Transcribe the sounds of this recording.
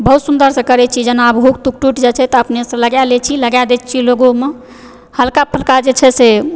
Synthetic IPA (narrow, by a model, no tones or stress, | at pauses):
bəɦut̪sund̪əɾsə̃kəɾɛt͡ʃʰid͡ʒənabɦuk̚t̪uk̚ʈuʈd͡ʒɛt͡ʃʰɛt̪ɔəpnesə̃ləɡjalɛt͡ʃʰiləɡjad̪ɛt͡ʃʰiloɡome | həlkapʰəlkad͡ʒet͡ʃʰɛse